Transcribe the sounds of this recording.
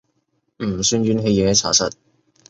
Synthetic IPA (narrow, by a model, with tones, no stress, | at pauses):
m̩˨˩syː˧˥njyː˧˥nɦe˧jy˨˩hɛ˨˥t͡sʰa̰ː˨˩sɐ̰˨˥t̚